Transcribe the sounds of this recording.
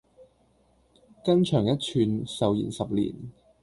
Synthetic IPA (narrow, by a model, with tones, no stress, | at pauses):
kɐ˥nt͡ʃʰœː˨˩ŋjɐ˥t̚t͡ʃʰyː˧nsɐ˨˧wjḭː˨˩nsɐ˨p̚lḭː˨˩n